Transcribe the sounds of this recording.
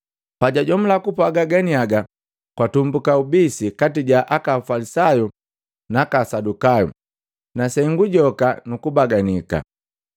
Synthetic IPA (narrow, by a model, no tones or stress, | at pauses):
paɟaɟɔm̩lakupaɡaɡanijaɡa | kwatumbukaubisikatiɟaʔakafalisaju | nakasadukajṵ | nasɛŋɡuɟɔkanukubaɡanika̰